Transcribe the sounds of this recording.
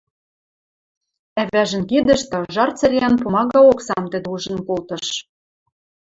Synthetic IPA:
æβæʒə̆nkid̪ə̆ʃt̪ɑʒɑrt͡sɘ̆ɾʲeænpomɑɣɑoksɑmt̪ɘ̆d̪ɘuʒə̆nkolt̪ɤ̆ʃ

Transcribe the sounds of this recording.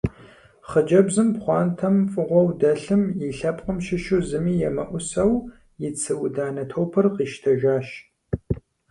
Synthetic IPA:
χəd͡ʒɐbzɨmpχʷɑːntʰɐmfʼɨʁʷɔwdɐɬɨmjiɬɐpʼqʼəmʃɪʃuwzɨmiːjɛmɐʔʷʊsɐw | jɪt͡sʰɨwʊdaːnɐtʰowpʰɐrqiːʃtʰɐʒaːʃ

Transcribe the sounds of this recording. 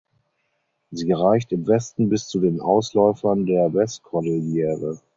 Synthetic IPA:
ziːʁaɪçtɪmvɛstn̩bɪst͡sudeːnʔa̰ʊslɔʏfɐndeːɐvɛstkʰɔdɪljɛːʁə

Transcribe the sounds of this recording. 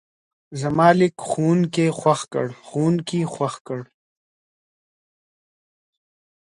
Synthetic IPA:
zamɑːlɪkxunkexwaxkə̰ɽxuːnkixwaxkəɽ

